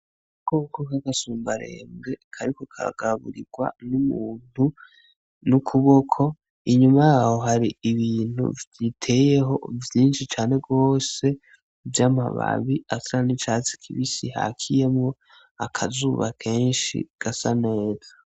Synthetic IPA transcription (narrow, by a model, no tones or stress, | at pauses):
kokokakasuːmbaɾḛmɡe̞kʰaɾikokʰaɾa̰ɡ̥aɾaβṵɾiɡ̥wa̰numuːn̥u | nukʰuβokʰo̞ | iɲumajaːho̞ɦaɾiiβiːn̥hṵvditʰe̞je̞ɦo̞vjiːnʃit͡ʃaːne̞ɡo̞ːse̞ | vjaːma̰βa̰βiasaɾanit͡ʃaːt͡si̥kʰiβisiha̰kʰije̞mŋo̞ | akʰazuβakʰe̞ːnʃḭɡ̥asane̞ːza